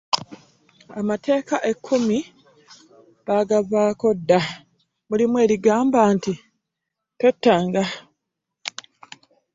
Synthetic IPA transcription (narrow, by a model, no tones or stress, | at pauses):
amatʰe̞ːkaʔe̞kʰːumi | βaɡaβaːko̞dːa | mulimwe̞ːɾiɡaːmbaːnti | tetːaːŋɡa